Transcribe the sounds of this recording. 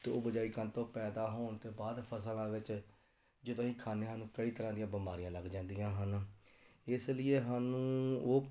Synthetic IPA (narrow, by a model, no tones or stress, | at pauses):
t̪eo̰ːbəd͡ʒaːiːkənt̪õːpɛːd̪aːɦoːɳt̪eːbaːd̪pʰəsəlãːʋɪt͡ʃ | d͡ʒɪd̪õːĩːkʰaːneːɦaːnũːkəiːt̪əɾãːd̪ɪjãːbəmaːɾijãːləɡd͡ʒãːnd̪ijãːɦən | ɪslɪeːɦaːnũːoː